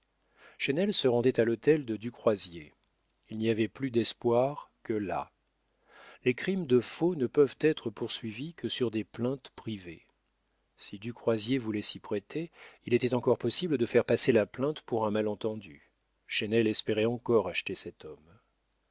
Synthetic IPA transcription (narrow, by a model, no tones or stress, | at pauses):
ʃɛnɛlsəʁɑ̃d̪ɛt̪alɔt̪ɛld̪əd̪ykχwazje | ilniavɛplyd̪ɛspwaʁkəla̰ | lekχimd̪əfonəpœvt̪ɛt̪χəpuʁsɥivikʰəsyʁd̪eplɛ̃t̪pχive | sid̪ykχwazjevulɛsipχɛt̪ʰeilet̪ɛt̪ɑ̃kɔʁpɔsibləd̪əfɛʁpaselaplɛ̃t̪puʁɛ̃malɑ̃t̪ɑ̃d̪y | ʃɛnɛlɛspeʁɛɑ̃kɔʁaʃt̪esɛt̪ɔm